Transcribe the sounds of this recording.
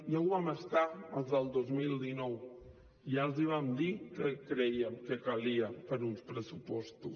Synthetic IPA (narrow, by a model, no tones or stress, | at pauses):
jawβaməst̪aəlzðəlˠd̪ozmilˠd̪inɔw | jalˠziβ̞amd̪ikəkɾɛjəmkəkaliəpəɾunspɾəsupɔst̪us